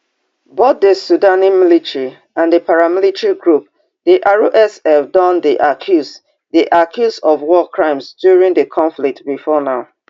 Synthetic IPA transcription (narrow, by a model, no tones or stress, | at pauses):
bot̚dəsudanimilitɹi | ãndəpʰaɹamilitɹiɡɹup̚ | d̥iʔaɹoʔɛsɛfdɔ̃ndiʔakʰjus | diʔakʰjusɔvwɔkʰɹãɪ̃msdjuɹĩŋdəkʰɔ̃ɱflik̚tbifɔnaʊ